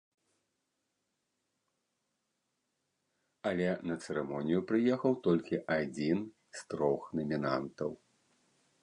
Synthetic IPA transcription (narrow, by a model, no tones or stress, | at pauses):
ɐlʲɛnɐt̪sɛɾɛmɔnʲijupɾɨjɛxɐwt̪ɔlʲkʲiʔad͡zʲin | st̪ɾɔxnɐmʲinant̪ɐw